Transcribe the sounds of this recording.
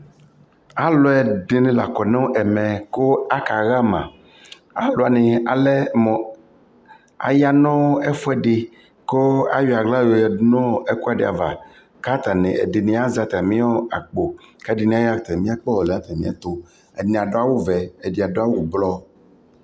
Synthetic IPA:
a˦lo˦ɛ˨ɖe˨nẽ˦la˨kɔ˨ne˦ʔɛ˨mɛ̃˨ko˦a˦ka˨ɣa˦mã˨ | a̰˨lo˨a˨nẽ˨a˨lɛ˦mɔ̃˨ | a̰˨ja˦nɔ̃˦ɛ˦fo˦ɛ˦ɖe˨ | ko˦a̰˦wi˨a˨ɡla˦jo˦jɛ˨˦nɔ̃˦ɛ˦ku˦a˨ɖe˨a̰˨va̰˨ | ka˦t̪a˨nẽ˨ɛ̰˨de˨nẽ˨˦a˦za˨t̪a˨mĩ˦ɔ˦a˨k͡po˨ka˦ɖi˨nĩ˦a˦ja˦˨t̪ɛ˨mĩ˦a˦k͡pɔ˦wɔ˨lɛ˨a˦t̪a˨mĩ˦a̰˦t̪o˦ | ɛ̰˨nẽ˨a˨ɖo˦a˦wo˦vɛ˨e˨di˨a˨do˦a˦wo˦wblɔ˦

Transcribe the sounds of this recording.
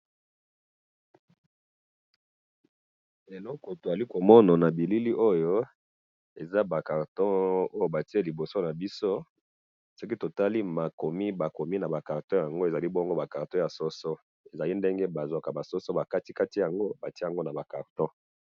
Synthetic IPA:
e˨lɔ˦ko˨to˨a˨li˦ko˨mɔ˦na˨na˨bi˨li˦li˦ʔo˦jo˦ | e˨za˦ba˨ka˨ʁtɔ̃˦o˦jo˦ba˨ti˦e˦li˨bo˨so˦na˨bi˦so˦ | so˦ki˦to˨ta˦li˦ma˨ko˨mi˦ba˨ko˨mi˦na˨ba˨ka˨ʁtɔ̃˦ja˨ŋɡo˦e˨za˨li˦bɔ˦ŋɡo˦ba˨ka˨ʁtɔ̃˦ja˨sɔ˦sɔ˦ | e˨za˨li˦nde˦ŋɡe˦ba˨zwa˨ka˨ba˨sɔ˦so˦ba˨ka˦ti˦ka˦ti˦ja˨ŋɡo˦ba˨ti˦˨ŋɡo˦na˨ba˨ka˨ʁtɔ̃˦

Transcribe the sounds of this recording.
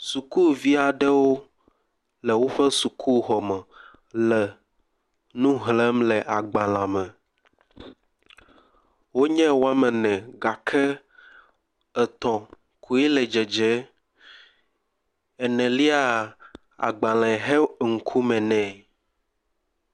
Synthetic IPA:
su˨ku˦vi˦a˨ɖɛ˦wo˦ | lɛ˨wo˦ɸɛ˦su˨kʰu˦ɦɔ˨mɛ̃˨ | lɛ˨ | nũ˦ɦlɛ˦mlɛ˨ʔa˨ɡ͡bã˨l̃ã˨mɛ̃˨ | wo˦ɲɛ̃˦wo˦a˦mɛ̃˨nɛ̃˨ɡa˨kʰɛ˦ | ɛ˨t̪ɔ̃˨ | kʰu˦i˦lɛ˨d͡ʒɛ˨d͡ʒɛ˦ | ɛ˨nɛ̃˨li˦a˨ | a̰˨ɡ͡bã˨lã˨ɦe˦ŋ̩˦kʰu˦mɛ̃˨nɛ̃˨

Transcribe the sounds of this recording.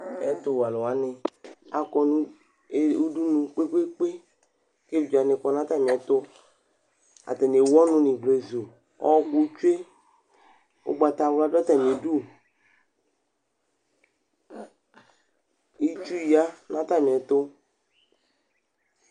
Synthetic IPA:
ɛ˦t̪o˦wa˨lɔ˨wa˨nɪ˨a˨kɔ˨nũ˦˨ | u˦du˦nũ˨k͡pe˦k͡pe˦k͡pe˦ | ke˦i˨d͡ʒa˨nɪ˨kɔ˨nã˦t̪a˦mĩ˨ɛ˨t̪ʊ˦ | a̰˨t̪ɛ˨n˨e˨wɔ˦nʊ̃˦nĩ˨ɡ͡ble˨zo˨ | ɔ̰˦ku˦t͡ʃu˦e˦ | o̰˦ɡ͡ba˨t̪a˨wla˦da˦t̪a˨mĩ˨e˨du˦ | i˦t͡ʃu˦i˨a˦nã˦t̪a˦˨mĩ˨ɛ˨t̪ʊ˦

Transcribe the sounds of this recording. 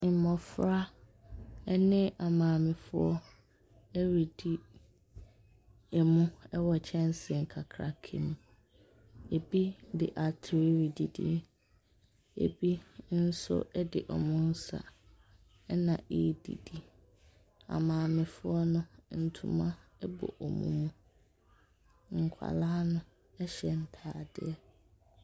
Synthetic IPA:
m̩˨mɔ̃˨fɾa˦ | ɛ˦nɪ̃˦ʔa˨mãː˨mɪ̃˨fʊ˦ɔ˦ | ɛ˦ɾi˨di˦ | ɛ˨mũ˦ɛ˦wɔ˨t͡ɕʰɛ̃˦n˦sɪ˨ŋ̩˨kʰa˨kʰɾa˨kʰḛ̃˨m˨ | e˨bi˦dɪ˨ʔa˨tʰɪ˨ɾi˦ɾi˨di˨dḭ˦ | ḛ˨bi˦n̩˦sʊ̰˦ɛ˦dɪ˨ʔɔ˨mʊ̃˦n̩˦sa̰˨˦ | nã˨ʔi˦dḭ˨di˦ | ã̰˨mãː˨mɪ̃˨fʊ˦ɔ˦nʊ̃˦n̩˨tʰṵ˨mã˦ɛ˦bɔ̰˨ʔɔ˨mṵ̃˦mũ˦ | ŋ̩˨kʷʰa̰˨laː˦nʊ̃˦ | ɛ˦ɕɛ˨n̩˦tʰaː˨dɪ˦ɛ˦

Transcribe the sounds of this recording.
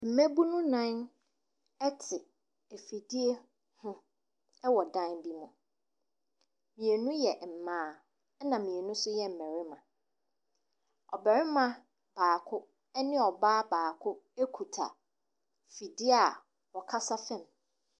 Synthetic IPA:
m̩˨mæ̃˦bu˦nʊ̃˦nã˦n | ɛ˦tʰɪ˨ | e˨fi˨di˦e˦ | hʊ̃˦ | ɛ˦wɔ˨dã˦nbi˦mʊ̃˨ | mĩ˨e˨nũ˦jɛ˨m̩˨mãː˨˦ | nã˨mĩ˨e˨nʊ̃˦sʊ˦jɛ˦m̩˨mɛ̃˨ɾɪ˦mã˨ | ɔ˨bɛ˨ɾɪ˦mã˨ | b̥aː˨kʰʊ˦ | ɛ˦nɪ̃˦ɔ˨baː˦baː˨kʰʊ˦e˦kʰu˨tʰa̰˨ | fi˨di˦a˦˨ | wɔ˨kʰa˦sa˦fɛ̃˦m

